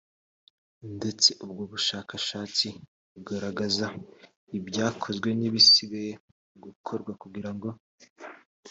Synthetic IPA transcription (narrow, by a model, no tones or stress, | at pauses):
nde̞t͡se̞ʔubɡoβuʃaːkaʃaːt͡si | uɡaɾaɡaza | ibɟaːkʰo̞zɡwe̞niβisiβeje | ɡukʰo̞ɾɡwakuɡiɾaŋɡo̞